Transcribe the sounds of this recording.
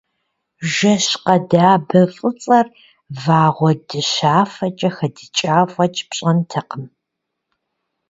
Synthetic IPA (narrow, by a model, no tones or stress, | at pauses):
ʒɐɕqɐdaːbɐfʼɨt͡sʼɐr | vaːʁʷɔdɨɕaːfɐt͡ʃʼɐxɐdɨt͡ʃʼaːfʷʼɐt͡ʃʼpɕʼɐntʰɐqəm